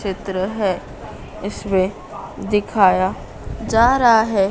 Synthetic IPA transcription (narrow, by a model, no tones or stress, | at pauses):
t͡ʃɪt̪ɾəɦɛ | ɪsmẽ | d̪ɪkʰaːja | d͡ʒaːɾaɦaɦɛː